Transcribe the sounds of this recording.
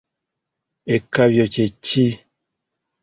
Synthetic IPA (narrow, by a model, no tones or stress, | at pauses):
ekabjɔt͡ʃet͡ʃi